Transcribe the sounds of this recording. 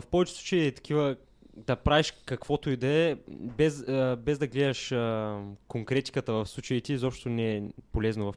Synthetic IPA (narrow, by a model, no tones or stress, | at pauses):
fpɔvɛt͡ʃɛ̥sˠu̥t͡ʃəit̪ɐ̥kʰʲivə | d̪ɐpɾaviʃkɐkvɔt̪oid̪ɐɛbɛzbɛzd̪ɐɡlɛd̪ɐʃəkoŋkɾɛt̪i̥kət̪əvɐfslˠut͡ʃɐit̪ʲizɔpʃt̪onɛːpolɛznovɐf